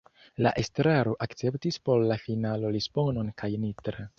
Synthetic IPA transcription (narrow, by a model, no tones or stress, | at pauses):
la̰ʔestɾaɾo̞ʔakt͡se̞ptispo̞ɾlafinalo̞lispono̞nkajnitɾe